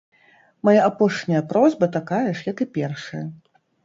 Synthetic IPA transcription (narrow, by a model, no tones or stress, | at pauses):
majaapɔʂnʲɐjɐpɾɔzʲbɐt̪akajɐʂjɐkɨpʲɛrʂɐjɐ